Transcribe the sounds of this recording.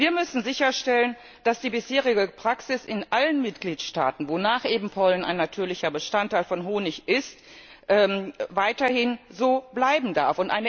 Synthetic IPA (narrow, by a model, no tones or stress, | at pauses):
viːɐmʏsn̩zɪçɐʃtɛlən | d̥asd̥iːbɪsheːʁ̞ɪɡəpʁ̥aksɪsɪnʔalənmɪtɡ̥liːtʃta̰ːtn̩vonaːχʔeːbm̩pʰɔlna̰ɪnːatʰyːɐlɪçɐbəʃtantaɪlfɔnɦoːnɪçʔɪst | ʔɛːvaɪtɐhɪnzoːblaɪbm̩daɐfʊntʔa̰ɪnə